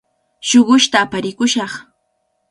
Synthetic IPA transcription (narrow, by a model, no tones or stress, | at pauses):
ʃoɢʊʃt̪aːpaɾɪkʊʃɑχ